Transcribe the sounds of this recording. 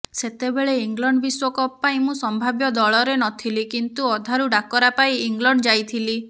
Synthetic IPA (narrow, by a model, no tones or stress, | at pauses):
set̪ebeɭeiŋɡlɔɳɖɔbiswɔkɔpaĩmũsɔmbʱabjɔd̪ɔɭɔɾenɔt̪ʰilikint̪uɔd̪ʱaɾuɖakɔɾapaiiŋɡlɔɳɖɔd͡ʒajt̪ʰili